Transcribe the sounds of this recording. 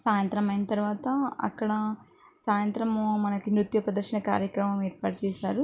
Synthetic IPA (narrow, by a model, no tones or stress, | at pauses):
saːjɐnt̪ɾɐmɐjnɐt̪ɐɾʋaːt̪ɐɐ̰kːɐɽɐ | saːjɐnt̪ɾɐmomɐnɐkinɾut̪jɐpɾɐd̪ɐɾʃɐnɐka̰ːɾjɐkɾɐmɐmɛːɾpaːʈɐt͡ʃɛːsaːɾu